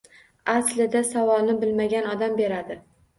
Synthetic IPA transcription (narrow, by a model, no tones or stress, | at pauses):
aslɪd̪asavɒlˠnɪbɪlmaɡʲanɒd̪ambe̞ɾad̪ɪ